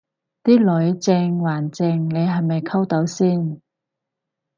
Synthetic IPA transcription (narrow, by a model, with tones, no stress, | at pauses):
t̪iː˥lɔ˨˥jt͡sɛː˧ŋwaː˨˩nt͡sɛː˧ŋle˨˧jɦɐ˨jmɐ˨jkʰɐ˥wt̪ɐ˨˥wsiː˥˩n